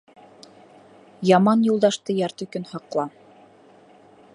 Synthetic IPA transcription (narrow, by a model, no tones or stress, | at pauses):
jɑmɑnjulˠd̪ɑʃt̪ɤjɑɾt̪ɵ̆kɵnhɑqlˠɑ